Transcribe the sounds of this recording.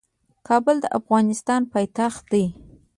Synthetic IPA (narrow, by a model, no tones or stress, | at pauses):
kʰɑbəld̪əʔafɣɑnɪst̪ɑnpɑjt̪axt̪̚d̪aj